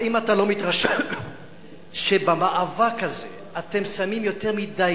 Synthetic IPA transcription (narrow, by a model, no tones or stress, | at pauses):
imatalo̞mit̪ʁaʃe | ʃebamaʔavakaze | ate̞msamimjo̞teʁmida